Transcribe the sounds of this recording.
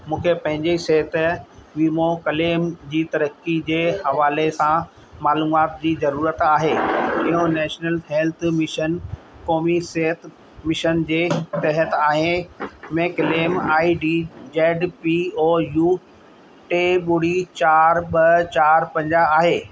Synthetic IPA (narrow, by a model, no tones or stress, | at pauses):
mũːkʰepɐ̃ɦɪ̃ɲd͡ʑiseɦət̪ʋiːmokɐleːmd͡ʑiːt̪ɐɾəkːid͡ʑeːhɐʋaːlesã | maːluːmaːt̪d͡ʑiːzɐɾuːɾət̪aːɦeːɪɦõnɛːʃnəlɦeːlt̪ʰmɪʃən | koːmiseɦət̪ | mɪʃənd͡ʑeːt̪ɐɦət̪aːɦẽmẽkɐleːmaːiɖiːd͡ʑeːɖpioːjuː | ʈeːɓʊɽit͡ɕaːɾɓɐt͡ɕaːɾpɐ̃ɲd͡ʑaaːɦeː